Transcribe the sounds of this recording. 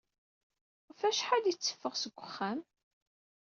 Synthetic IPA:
fæʃħad̪jit͡sːə̥fːəʁsəɡʷːəχːæm

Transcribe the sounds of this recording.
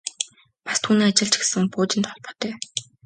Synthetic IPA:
pḁst̪ʰuːniːat͡ɕɪ̆ɮt͡ɕɡe̥sɘ̆ŋpoːt͡ɕɪ̆nt̪χɔɮpɞ̆t̪œː

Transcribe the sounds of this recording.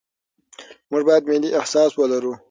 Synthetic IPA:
muʐbɑjad̪mɪliʔɪhsɑswəlaɾu

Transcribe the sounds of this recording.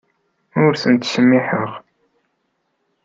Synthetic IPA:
ʊɾθənt̪səmːiħəʁ

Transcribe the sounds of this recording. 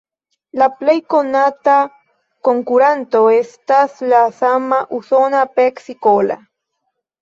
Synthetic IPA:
laplejkonat̪a | koŋkuɾant̪oest̪aslasamaʔusonapeksikola̰

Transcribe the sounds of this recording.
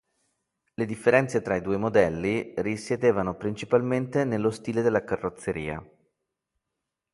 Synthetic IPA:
led̪ifːeɾɛnt̪set̪ɾaid̪uːemod̪ɛlːirisjed̪eːvanopɾint͡ʃipalment̪enelːost̪iːled̪elːakarːot̪sːeɾḭːa̰

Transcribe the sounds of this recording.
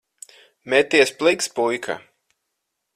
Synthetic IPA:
mɛt̪ːiɛsplˠikspujkʰa̰

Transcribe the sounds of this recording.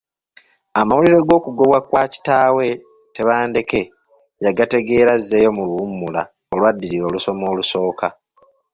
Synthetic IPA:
amawuliɾe̞ɡo̞ːkuɡo̞βwakwaːci̥taːwe̞ | te̞βaːnde̞ke̞ | jaɡate̞ɡe̞ːɾazːe̞jo̞muluumːula̰ | olwadːiɾiɾo̞ːluso̞mo̞ːluso̞ːka

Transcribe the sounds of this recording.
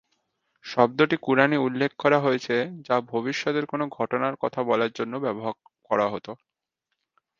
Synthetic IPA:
ʃɔb̚d̪oʈikuɾaniulːekʰːɔɾaɦojet͡ɕʰed͡ʑabʱoβiʃːɔt̪eɾkonoɡʱɔʈonaɾkɔt̪ʰabɔlaɾd͡ʑonːobɛboɦaɾ | kɔɾaɦot̪o

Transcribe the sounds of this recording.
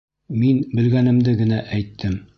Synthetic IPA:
minbɘ̆lɡænɘ̆md̪ɘɡɘ̆næʔæjt̪ʰːɘm

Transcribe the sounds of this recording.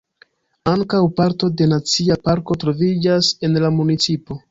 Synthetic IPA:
aŋkawpaɾto̞de̞nat͡siapaɾko̞tɾo̞vid͡ʒase̞nlamunit͡sipo̞

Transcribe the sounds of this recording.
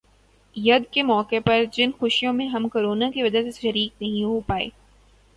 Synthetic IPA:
jɐd̪kemɔːkepɐɾd͡ʒɪnxʊʃijõmẽɦɐmkoːɾoːnakiʋɐd͡ʒaseʃɐɾiːk̚nɐɦĩɦopaːḛː

